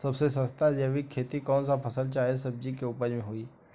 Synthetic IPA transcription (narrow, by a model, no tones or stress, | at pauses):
səbsesəst̪ad͡ʒebʱikʰːeːt̪ikɔːnsapʰəsəlt͡ʃaːɦesəb̚d͡ʒikeupəɾmẽɦoiː